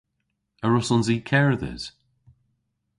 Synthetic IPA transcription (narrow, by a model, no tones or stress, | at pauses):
əɹʊsɔnziːkʰɛɹðɛ̰z̥